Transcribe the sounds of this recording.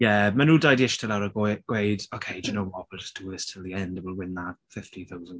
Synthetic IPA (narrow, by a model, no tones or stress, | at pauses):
jɛmanuːdajdiɪʃtʰəlawɾəɡɡ̥wejdokʰeɪd͡ʒənowwɔwɪlˠd͡ʒʌ̥sd̥uːðɪstʰɪlˠðiɛndwɪlˠwɪnðafɪftiθawzən